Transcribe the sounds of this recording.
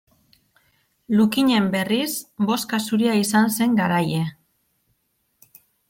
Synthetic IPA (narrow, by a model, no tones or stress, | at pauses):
lukiɲe̞mbe̞risbo̞skasuɾiaisanse̞ŋɡaɾaje̞